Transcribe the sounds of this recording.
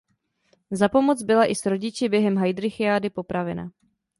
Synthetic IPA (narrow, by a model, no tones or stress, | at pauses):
zapo̞mo̞t͡sbɪlaʔɪsɾo̞ɟɪt͡ʃɪbjɛɦɛmɦajd̪ɾɪxɪaːdɪpo̞pɾavɛna̰